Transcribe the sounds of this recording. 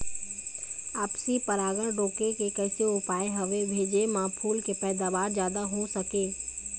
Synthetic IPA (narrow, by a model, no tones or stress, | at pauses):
aːpsipəɾaːɡəɽ̃ɖoːkekekɛːseʊpaːeɦɐʋebʱeːd͡ʒemãpʰuːlkepɛːd̪aːʋaːɾzjaːd̪aɦosɐkeː